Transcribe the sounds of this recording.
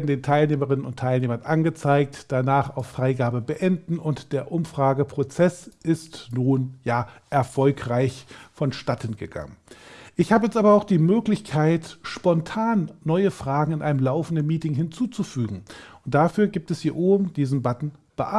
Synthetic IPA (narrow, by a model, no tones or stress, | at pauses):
veɐdn̩deːntʰaɪlneːməʁɪnənʊntʰaɪlneːmɐnʔanɡət͡saɪk̚td̥anaːχaʊfːʁ̥aɪɡaːbəbəʔɛndn̩ʊntd̥eːɐʔʊmfʁ̥aːɡəpʁ̥ot͡sɛsʔɪstnuːnjaːʔɛɐfɔlkʁ̥aɪçfɔnʃtatʰənɡəɡa̰ŋənʔɪçhaːbəjɛt͡stʔaːbɐaʊxd̥iːmøːklɪçkʰaɪtʃpɔntʰaːnːɔʏəfʁ̥aːɡŋ̩ɪnʔaɪnəmlaʊfn̩dənmiːtɪŋhɪnt͡suːt͡sufyːɡŋ̩ʔʊnt̚d̥afyːɐɡiːp̚tɛshiːɐʔoːbm̩d̥iːzn̩batn̩ | b̥əʔa